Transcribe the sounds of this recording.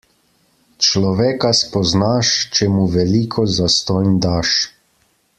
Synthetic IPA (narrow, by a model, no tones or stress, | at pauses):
t͡ʃlɔʋɛːkaspɔznaʃt͡ʃɛmuʋɛliːkʰɔzast̪ɔjnd̪aːʃ